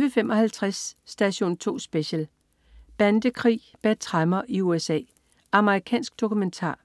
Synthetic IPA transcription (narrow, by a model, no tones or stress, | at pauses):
ʋəfemʔɒ̽hælt͡sʰʁasd̥æɕo̝̰ːnt͡sʰo̝̰ːsb̥eɕəl | b̥ænd̥əkʰʁḭː | b̥æ̥t͡sʰʁɑmɐʔiuesɛ̰ː | ɑ̈məʁikʰɛ̰ːnsɡ̥̚d̥o̝kʰument͡sʰɑ̰̈ː